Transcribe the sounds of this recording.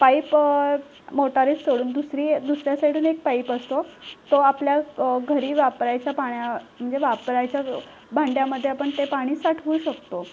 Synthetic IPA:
paip | moʈaɾet͡ssoɽuːnd̪usɾiːd̪usɾjasaiʈʰuːnek̚paipəst̪ot̪oapljaɡʱəɾiːʋapɾajt͡ɕjapaɳjam̤əɳd͡zeʋapɾajt͡ɕja | bʱãɳɖjaməd̪ʱːjeapəɳt̪epaɽ̃iːsaʈʰʋuːɕəkt̪o

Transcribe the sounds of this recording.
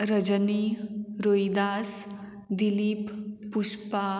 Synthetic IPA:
ɾəd͡ʒəniɾojd̪as | d̪ilipːuspa

